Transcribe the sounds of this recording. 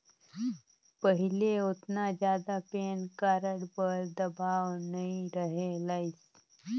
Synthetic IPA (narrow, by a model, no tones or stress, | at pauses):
pəɦɪleʊt̪nad͡ʒjaːd̪apeːnkaːɾəɽbəɾd̪ɐbaːwnəɦĩɾəɦelaɪs